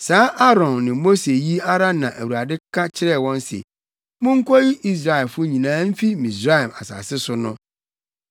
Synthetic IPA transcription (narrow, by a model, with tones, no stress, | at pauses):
saː˦ʔa˦ɾɔ̃˨nːɪ̃˨mo˦se˨ji˦a˦ɾa˦nːã˨ʔæ˨wu˨ɾa˨dɪ˦kʰa˦t͡ɕʰɪ˦ɾɛ˦˨wɔ̃˦n˦sḛ˨ | mʊ̃˦ŋ̩˦kʰɔ˦ji˦ʔi˦s̬ɾa˨ɛ˨fʊ˦ɲĩ˨nãː˨˦m̩˦fi˦mĩ˨sɾa˦ɛ˨ma˨sa̰˨sɪ˦sʊ˦nʊ̃˦